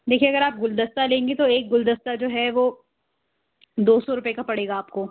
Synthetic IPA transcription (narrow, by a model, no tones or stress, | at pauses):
d̪eːkʰieɐɡəɾaːp̚ɡʊld̪əst̪alẽːŋɡet̪oeːk̚ɡʊld̪əst̪ad͡ʒoːɦɛʋoː | d̪oːsɔɾʊpekapɐɽeːɡaːpkoː